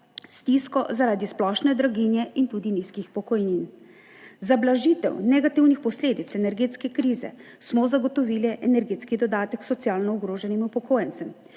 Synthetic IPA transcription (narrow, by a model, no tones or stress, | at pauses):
st̪iskɔzaɾaːd̪isplɔʃnɛd̪ɾaɡinjɛint̪uːd̪iniːskixpɔkɔjnin | zablaʒiːt̪ɛ̰wnɛɡat̪iwnixpɔsleːd̪it̪sɛnɛɾɡeːt̪skɛkɾiːzɛ̰ | smɔzaɡɔt̪ɔʋiːlɛʔɛnɛɾɡeːt̪skid̪ɔd̪aːt̪ɛksɔt̪sjaːlnɔuɡɾoːʒɛnimupɔkʰoːjɛnt̪sɛm